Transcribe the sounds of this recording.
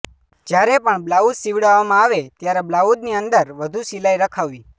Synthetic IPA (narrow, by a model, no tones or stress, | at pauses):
d͡ʒjaɾepəɳblaud̪siʋɽaʋmãaːʋet̪jaɾeblaud̪niənd̪əɾʋəd̪ʱusilaiɾəkʰaʋːi